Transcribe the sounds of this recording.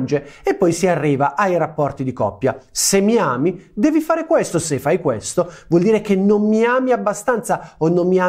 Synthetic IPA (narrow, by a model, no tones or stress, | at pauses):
nd͡ʒeepːɔjsiarːiːvaʔajrapːɔrt̪id̪ikɔ̰pːjasemːiaːmid̪ɛːvifaːɾekwest̪osefːajkwest̪ovwɔld̪iːɾek̟enonmiaːmiabːast̪ant̪saonːomːiaː